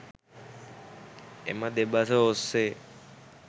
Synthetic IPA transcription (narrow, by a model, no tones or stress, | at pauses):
ḛmad̪ebat̪ʰaose